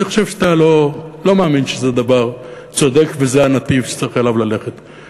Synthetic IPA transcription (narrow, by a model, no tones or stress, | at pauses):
eχo̥ʃevʃt̪alo̞lo̞meaminʃezed̪avaʁ | t͡so̞d̪ekvezeanat̪ivʃe̥t͡saʁiχelavlale̞χet̪